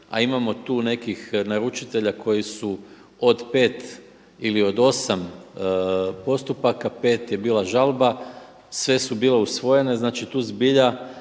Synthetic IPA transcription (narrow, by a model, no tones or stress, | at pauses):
a̰imamo̞t̪uːne̞kixnaɾut͡ʃit̪e̞ʎakʰo̞jisu | o̞d̪pe̞ːt̪ | ilio̞d̪o̞sam | po̞st̪upakape̞ːt̪je̞biːlaʒalba | sʋe̞subiːle̞usʋo̞je̞ne̞znaːt͡ʃit̪uːzbiʎa